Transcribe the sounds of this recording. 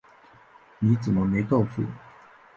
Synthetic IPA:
ni˨˦t͡sə˨˩mə˦me˨˥ɪko˥˨ʊfṵ˥˩˨

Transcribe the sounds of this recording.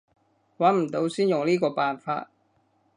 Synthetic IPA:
waː˨˥nm̩˨˩t̪o˨˧wsiː˥njʊ˨ŋliː˥kɔː˧paː˨nfa̰ː˧t̚

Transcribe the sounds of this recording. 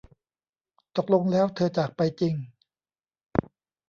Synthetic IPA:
t̪o˨˩k̚lo˧ŋlɛː˦˥wt̪ʰɤː˧t͡ɕaː˨˩k̚pa˧jt͡ɕi˧ŋ

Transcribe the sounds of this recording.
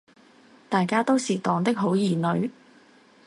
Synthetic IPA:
t̪aː˨jkaː˥t̪o˥wsiː˨t̪ɔː˨˩ŋt̪ɪ˥k̚ɦo˨˥wjiː˨˩nɵ˨˧ɥ

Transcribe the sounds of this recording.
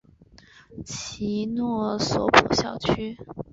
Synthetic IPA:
t͡ɕʰi˧˥nwɔ˥˩sɔ˧˥pʰu˨˩ɕjɑ˥˩ʊt͡ɕʰy˥

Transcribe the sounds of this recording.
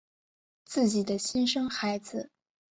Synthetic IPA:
t͡sɹ̩˥˩t͡ɕi˨˩d̪ə˦ɕi˥nʂɤ˥ŋxa˧˥ɪd͡zɹ̩˧

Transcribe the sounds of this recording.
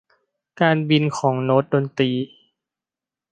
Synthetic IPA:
kaː˧nbi˧nkʰɔː˩˦ŋno˦˥t̪̚do˧nt̪ɾiː˧

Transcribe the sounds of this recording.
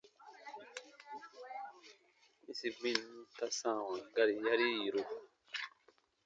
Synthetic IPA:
i˦si˦ɡ͡bĩ˦n˦ta˦sãː˦˨wã˨ɡa˦ɾi˨ja˦ɾi˦ji˨ɾo˦˨

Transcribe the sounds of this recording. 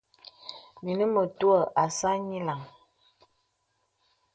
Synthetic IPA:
mi˨nə˦mə˨tu˦ə˦˨ʔa˨sa˦ɲi˦la˨ŋ

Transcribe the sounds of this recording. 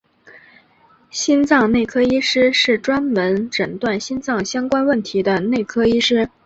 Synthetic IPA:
ɕi˥nt͡sɑ˥˧ŋne˥˩ɪkʰɤ˥i˥ʂɻ̩˥ʂɻ̩˥˩ʈ͡ʂwa˥nmə˧˥nʈ͡ʂə˨˩ŋt̪wa˥˩nɕi˥nt͡sɑ˥˩ŋɕjɑ˥ŋkwa˥nwə˥˩nt̪ʰi˧˥d̪ə˧ne˥˩ɪkʰɤ˥i˥ʂɻ̩˥

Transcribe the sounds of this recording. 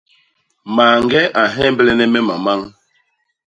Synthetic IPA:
maː˨ŋɡɛ˦ʔa˨ɦɛ˦mbɛ˦lɛ˦nɛ˦mɛ˦ma˨ma˦ŋ

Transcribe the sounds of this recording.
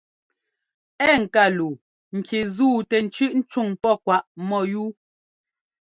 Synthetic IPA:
ɛ˦˨ŋ̩˨ka˦˨lu˨ | ŋ̩˨kʰe˨zuː˦˨tɛ˨n̩˨t͡ʃʉ˦ʔn̩˦t͡ʃu˦˨ŋpɔ˦˨kwa˨ʔmɔ˦˨juː˦

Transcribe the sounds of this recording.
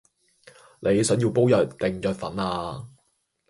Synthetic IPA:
ne˨˧jsɵ˨˥ŋji˧wpo˥wjœː˨˩t̚t̪ɪ˨˧ŋt͡ʃœː˨˧t̚fɐ̰˨˥naː˧

